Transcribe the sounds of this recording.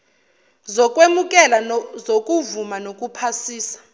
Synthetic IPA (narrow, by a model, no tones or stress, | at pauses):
zɔkʼwemukʼɛlazokʼuvumanokʼupʰasiːsḁ